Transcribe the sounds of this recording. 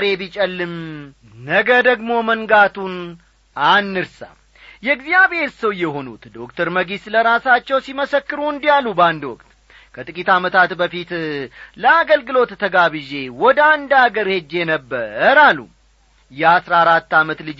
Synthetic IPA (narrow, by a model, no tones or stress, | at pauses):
ɾe̞bit͡ʃʼəlːɨm | nəɡəd̪əɡmo̞məŋɡat̪ʰun | anːɨɾsa̰m | jɛɡzijaβhe̞ɾsəwjɛɦo̞nṵt̪d̪o̞kt̪ʰəɾməɡisləɾasat͡ʃːɛwsiməsəkːɨɾuɨnd̪jalːubəand̪wɔkʼt̪ | kʰət̪ʼɨkʼit̪amət̪ʰat̪bəfit̪ləaɡəlɡɨlo̞t̪ːʰəɡaβɨʒe̞wɔd̪and̪aɡəɾhe̞d͡ʒːe̞nəbːəɾalṵ | jɛasɾaaɾat̪ːamət̪lɨd͡ʒ